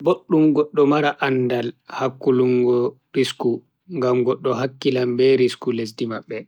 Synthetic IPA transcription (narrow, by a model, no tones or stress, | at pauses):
boɗːumɡɔɗːɔmaɾaʔandalhakːuluŋɡɔ | ɾisku | ŋɡamɡɔɗːɔɦakːilambɛɾiskules̬dimaɓːɛ